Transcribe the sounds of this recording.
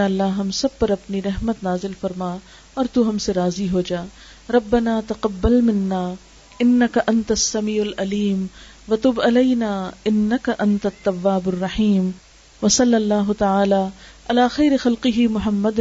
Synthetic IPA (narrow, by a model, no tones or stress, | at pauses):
aːɐlːaɦɐmsɐb̚pɐɾɐpniɾɐɦmət̪naːzɪlfɐɾmaː | ɔːɾt̪uɦɐmseɾaːziɦoːd͡ʒaː | ɾɐbːɐnaːt̪ɐqɐbːɐlmɪnːaː | ɪnːɐkɐʔɐnt̪ɐsːɐmiːʊlɐliːm | ʋɐt̪ʊːbɐlɐjnaːɪnːɐkaʔɐ̃nt̪ɐt̪ːɐwːaːbɐrːɐħiːm | ʋɐsɐlːɐlːaːɦʊt̪ɐaːlaː | ʔɐlaːxɐjɾɪxɐlqɪɦimʊɦɐmːɐd̪